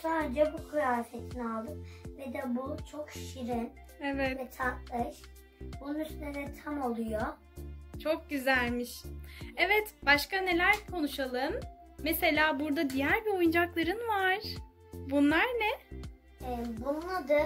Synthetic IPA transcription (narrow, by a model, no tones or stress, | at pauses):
saːɾed͡ʒɛbukʰɯjaːfet̪ʰinalˠd̪ɯmvɛd̪ɛbut͡ʃʰokʃiɾin | evɛt̪ɛt̪ʰak̚lɯʃ | b̥ununyst̪lʲeɾnɛt̪ʰamolˠujo | t͡ʃʰo̞k̚ɟyzælʲmiʃevɛt̪b̥aʃkane̞lʲæɾkʰo̞nuʃalˠɯmː | ese̞lʲaːbuɾd̪ad̪ijæɾbio̞jund͡ʒaklˠaɾɯnvaɾ̥ | bunlˠaɾnɛ | ɛbunlˠad̪ɯ